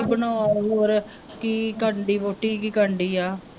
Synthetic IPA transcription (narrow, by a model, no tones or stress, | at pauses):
bənɔːaɦoːɾ | kiːkəɳɖiːpoːʈːiːkiːkəɳɖiːaː